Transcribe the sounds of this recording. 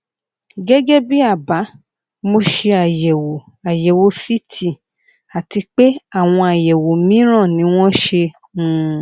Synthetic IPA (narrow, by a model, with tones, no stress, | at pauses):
ɡɛ˦ɡɛ˦bi˦a˦˨ba˨˦ | mo˧ʃe˧a˨jɛ˨wo˨ | a˨jɛ˨wo˨˧si˦tʰi˦˨ | a˨ti˧k͡pe˦a˦˨w̃ɔ̃˧a˨jɛ˨wo˨mĩ˦ɾ̃ã˦˨nĩ˨˦w̃ɔ̃˦ʃe˧ | ũ˦